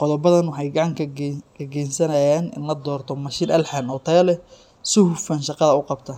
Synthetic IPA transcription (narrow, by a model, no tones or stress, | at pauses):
qɔðɔbɐðɐnwɑħɑjɡɑʕɑŋkʰɐkʰɐɡɛjnsɐnɐjaːnʔɪ̰nlɐd̪ɔːrt̪ʰɔmɐʃiːnʔɐlħanɔːt̪ʰɛlɛ | sʊhʊfɐnʃɑqɑðɐʊqɑbt̪ʰɐ